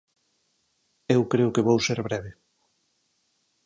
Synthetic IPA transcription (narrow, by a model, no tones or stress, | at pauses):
ewkɾeʊkeβowseɾβɾɛβɪ